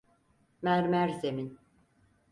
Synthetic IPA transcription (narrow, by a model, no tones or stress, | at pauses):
mæɾmæɾzemin